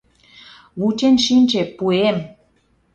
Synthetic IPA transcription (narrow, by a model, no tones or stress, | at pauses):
βut͡ɕenʃinʲt͡ɕepuem